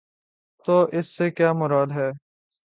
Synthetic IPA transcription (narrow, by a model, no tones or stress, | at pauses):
t̪oːʔɪsːekjaːmʊɾaːd̪ɦɛː